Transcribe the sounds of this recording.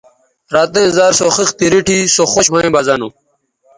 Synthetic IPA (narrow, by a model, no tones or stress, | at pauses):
ɾaːt̪ẽzaːɾsoxixt̪iɾiʈʰisoxoɕmaĩbazɐnu